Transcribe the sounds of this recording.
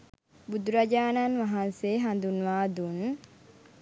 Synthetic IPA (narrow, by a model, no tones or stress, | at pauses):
bud̪uɾad͡ʒaːnanʋaɦanseːɦand̪unʋaːd̪un